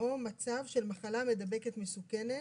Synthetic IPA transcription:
o̞mat͡savʃe̞lmaχalame̞d̪abe̞ke̞t̪mesukene

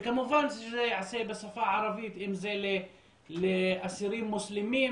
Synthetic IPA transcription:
kamʊvansʃzeʕaseːbɪsˤɑfɑʕɑɾˤɑvijt̪ʔɪmzele | leʔasiɾiːmmʊslɪmiːn

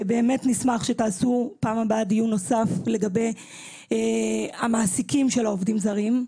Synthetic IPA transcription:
be̞ːme̞tnismaχʃe̞taːsupaːmabadijuno̞safle̞ɡabe̞j | amaːsikimʃe̞laovdimzaʁim

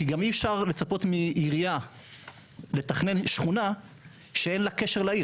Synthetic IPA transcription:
kiɡamiɛfʃaʁle̞t͡sapo̞t̪miʔiʁija | le̞t̪aχne̞nʃχuna | ʃee̞nlake̞ʃeʁlai

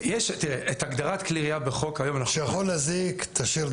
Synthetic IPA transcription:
jeʃt̪iʁeʔet̪aɡd̪aʁat̪kliʁiabeχo̞kajo̞manaejaχolazikt̪ʰaʃiɾ

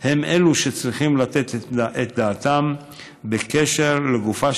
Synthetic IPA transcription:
he̞me̞luʃe̞t͡sʁiχimlat̪e̞t̪ʔet̪̚d̪aːt̪am | bekeʃeʁleɡufa

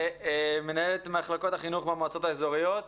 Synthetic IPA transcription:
me̞naelet̪maχlako̞thaχinuχbemoat͡so̞t̪aezoʁijot̪

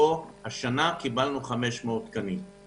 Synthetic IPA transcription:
ohaʃanakibalnuχame̞ʃmeot̪kanim

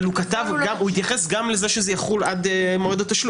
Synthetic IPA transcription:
lukat̪avɡamuhit̪jaχesɡamlezeʃezejaχulad̪moʁed̪ot̪ːaʃlu

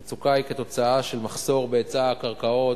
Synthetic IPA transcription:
t͡sukajket̪o̞t͡saaʃe̞lmaχso̞ʁbeet͡saːkaʁkao̞

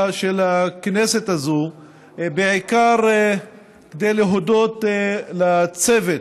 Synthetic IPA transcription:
ʃelakneset̪azo | beʕikaʁ | kd̪ejleɦod̪ot̪lat͡sevet

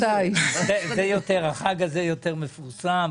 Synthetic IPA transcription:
ajzezejot̪eʁhaχaɡazejot̪eʁmefuʁsam

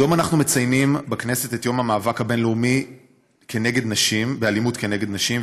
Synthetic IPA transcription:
jo̞manaχnumet͡sajnimbaknese̞tetjo̞mhamaːvakhabe̞nleumi | ke̞neɡe̞d̪naʃimbealimutkeneɡe̞d̪naʃim

